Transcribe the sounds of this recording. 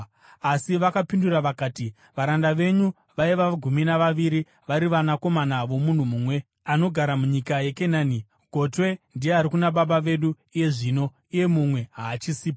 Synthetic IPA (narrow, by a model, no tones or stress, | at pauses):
asiʋakapinduraʋakaːti | ʋaɾandaʋe̞ɲu | ʋaiʋaɡʱuminaʋaʋiɾi | ʋaɾiʋanako̞manaʋo̞mun̤umuːmwe̞ | ano̞ɡʱaɾamuɲikaje̞kenaːni | ɡʱo̞twe̞ndijeaɾikunaɓaɓaʋe̞ɗu | ije̞ʐiːno̞ | ije̞mumwe̞ɦaːt͡ʃisiːpa